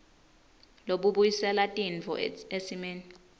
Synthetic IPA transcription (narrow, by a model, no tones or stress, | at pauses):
loɓuɓujisɛlatʼint͡fɔ̰esimeːni